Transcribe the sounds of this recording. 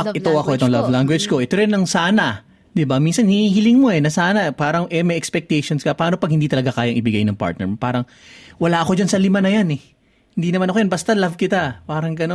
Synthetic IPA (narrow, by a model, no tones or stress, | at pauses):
ɐʔɛt̪oɐko̞ʔɛt̪oŋlavlaŋɡwɛd͡ʒko̞ʔɛt̪oɾɪnːɐŋsaːnɐ | d̪ɪbaminsɐnhihiːhɪlɪŋmo̞ʔɛnɐsaːnɐpaːɾɐŋʔɛmɐjʔɛkspɛk̚t̪ɛjʃonskɐpaːno̞pɐɡ̚hɪnd̪it̪ɐlɐɡakaːjɐŋʔɪbɪɡajnɐŋpa̰ɹt̪̚nɛ̰ɹmpaːɾɐŋ | wɐlaːʔɐko̞d͡ʒansɐlɪmanɐjanɛ | hɪnd̪inɐmanɐkojɐnbɐst̪ɐlɐvkɪt̪apaːɾɐŋɡɐno